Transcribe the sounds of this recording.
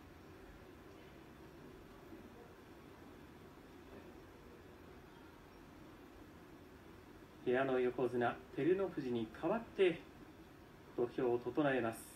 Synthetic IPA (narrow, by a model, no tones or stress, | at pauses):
he̞ano̞jo̞ko̞zɨnat̪e̞ɾɯ̟no̞ɸɯ̟ʑiɲ̟ikʰaβat̪ːe̞ | t̪o̞̟çʲo̞ːt̪o̞t̪o̞nae̞masɨ̥